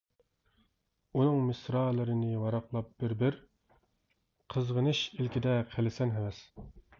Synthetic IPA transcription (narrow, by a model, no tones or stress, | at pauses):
unɨŋmɪsɾɑːlˠɨɾɪnɪwɑɾɑqlˠɑp̚b̥ɪɾbɪɾ | qʰəzʁənɨʃilkʲid̪ɛqʰelɪsɛnɦɛmɛs